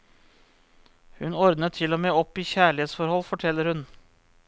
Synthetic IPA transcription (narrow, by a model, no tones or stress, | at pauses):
hʉnɔɾd̪nət̪ʰɪloːmeːɔpiːçæːɭɪheːt̪sfɔɾhɔlfɔʈʰɛlːəɾhʉn